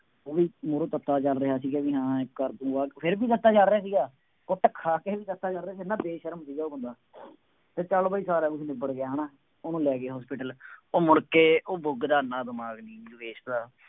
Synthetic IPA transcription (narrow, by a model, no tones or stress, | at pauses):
oːʋiːmoːɾõːt̪ət̪ːaːt͡ʃəlɾəɦaːs̬iːɡeːʋiːɦãːkːəɾt̪ũːaːkpʰɪɾbiːt̪ət̪ːaːt͡ʃəlɾaːs̬iːɡaː | koʈːəkʰːaːkeːʋiːt̪ət̪ːaːt͡ʃəlɾaːs̬inãːbeːʃəɾəmsiːɡaːoːbʊ̃nd̪aː | t̪eːt͡ʃaːlːbaːiːsaːɾaːkʊsiːneːbəɽɡeaːɦnaː | onũːlɛːkeaːɦɔːspiːʈəloːmʊɽkeːoːbʊɡd̪aːnaːd̪əmaːɡnĩːʋeːʃd̪aː